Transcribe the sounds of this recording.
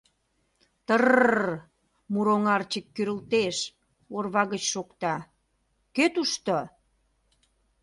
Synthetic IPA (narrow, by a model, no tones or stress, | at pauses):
t̪ər | muɾoŋɑrt͡ɕəkːyɾə̆lt̪eʃ | orβɑɣət͡ɕʃokt̪ɑ | køt̪uʃt̪o